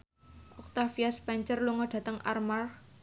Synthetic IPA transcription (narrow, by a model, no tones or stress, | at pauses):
ʔɔk̚t̪afiaspɛɲt͡ʃərluŋɔɖ̥ä̤t̪əŋʔa̰rmar